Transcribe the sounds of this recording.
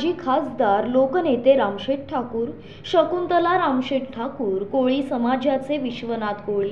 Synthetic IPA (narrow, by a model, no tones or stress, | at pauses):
d͡ʑiːkʰasd̪aɾlokənet̪eɾamɕeʈ̚ʈʰakuːɾ | ɕəkunt̪əlaɾamɕeʈ̚ʈʰakuːɾkoɭiːsəmad͡ʑjat͡seʋiɕʋənat̪koɭi